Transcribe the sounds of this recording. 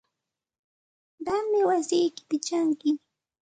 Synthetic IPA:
ɢamːɪwasɪjkɪ̥p̪ɪt͡ʃaŋkɪ

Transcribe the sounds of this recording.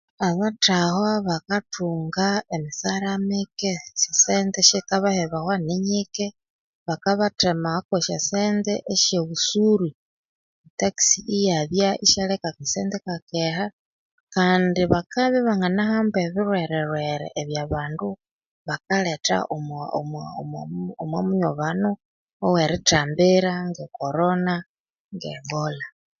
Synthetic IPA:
aβatahoβakatʰuːŋɡaemisaɾamikesisendeʃekaβaheβahwaniɲike | βakaβatemahokweʃaseːndḛʔeʃeβusuɾi | taki̥siʔijaðjaʔiʃalekakisḛndekakeha | kaːndiβakaβiβaŋanahaːmbeβiɾweɾeɾweɾɛ̰ʔːβjaβaːndu | βakaleta̰ʔomommomwamuɲoβanu | oweɾitaːmbiɾaŋɡekoɾona | ŋɡeŋɡola

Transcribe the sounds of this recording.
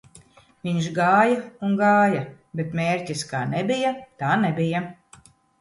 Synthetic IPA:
vʲiɲʃɡaːjaunɡaːja | bet̪meːɾcʲiska̰ːnɛbʲijat̪aːnebʲija

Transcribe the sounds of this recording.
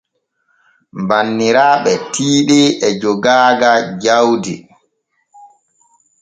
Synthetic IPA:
mbanːiɾaːɓɛtiːɗɛɛd͡ʒɔɡaːɡad͡ʒawdḭ

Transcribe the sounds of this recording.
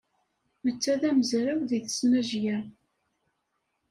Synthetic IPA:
mət͡sːæðæmzɾæwðiθə̥snæʒjæ

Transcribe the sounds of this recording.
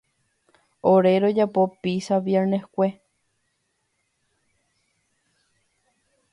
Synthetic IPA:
oɾe̞ɾod͡ʒapo̞piʃaʋjeɾnehkʷe

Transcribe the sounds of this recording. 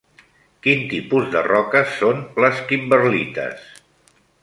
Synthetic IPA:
kint̪ipuzðə̰rɔkəsːonləskimbəɾlit̪ə̰s

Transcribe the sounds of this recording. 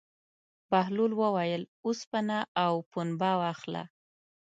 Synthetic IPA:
baɦlulwəwajəluspanaʔawpunbɑwaxla̰

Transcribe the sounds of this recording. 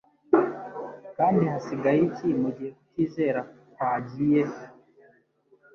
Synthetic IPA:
kaːndihasiɡaicimuɟiheku̥tiːzeɾakwaːɟije

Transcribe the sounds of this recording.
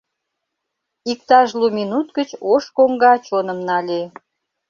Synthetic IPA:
ik̚t̪ɑʒluminut̪ɡət͡ɕoʃkoŋɡɑt͡ɕonəmnɑlʲe

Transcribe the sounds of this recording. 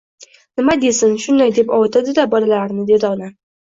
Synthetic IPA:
nɪmad̪e̞sɪnʃʊnd̪ajd̪e̞pɒwt̪ʰad̪ɪd̪abɒlalaɾnɪd̪ed̪ɒʁna

